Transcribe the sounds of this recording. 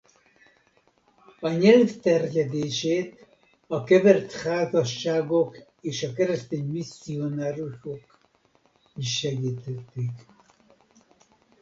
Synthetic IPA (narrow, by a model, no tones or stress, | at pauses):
ɒɲɛlft̪ɛrjɛd̪eːʃeːt̪ | ɒkɛvɛrt̪haːzɒʃːaːɡo̞k | eːʃɒkɛɾɛst̪eːɲmisːionaːɾuʃok | iʃːɛɡiːt̪ɛt̪ːik